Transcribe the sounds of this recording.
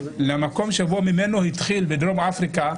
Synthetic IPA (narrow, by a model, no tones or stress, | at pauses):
lemako̞mʃebomime̞nohit̪χilbed̪ɾomafʁika